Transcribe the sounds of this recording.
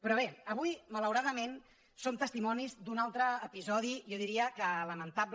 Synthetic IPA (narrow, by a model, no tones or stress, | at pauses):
pɾɔβeəβujmələwɾaðəmen | sont̪əst̪imɔnizd̪unalˠt̪ɾəːpizɔð̞ijɔðiɾiəkələmənt̪ab